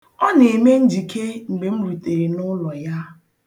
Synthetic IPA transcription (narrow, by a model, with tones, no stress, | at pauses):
ɔ˦ne˨me˦n̩˦d͡ʒi˨kʰe˦ŋ͡m̩˨ɡ͡be˨m̩˦ɾu˨te˨ɾi˨nʊ˦lɔ˨ja˦